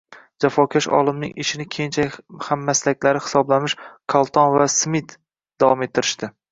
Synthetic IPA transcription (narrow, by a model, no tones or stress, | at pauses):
d͡ʒafɒkʲʰaʃɒ̰lˠɪmnɪ̰ŋʔɪʃɪnɪkʲʰent͡ʃʰajhamːaslakʲlaɾɪhɪ̥sɒblamɪʃkʰɒlˠt̪ʰɒnvasmɪt̪ | d̪̥avɒme̞t̪ʰːɪɾɪʃt̪ɪ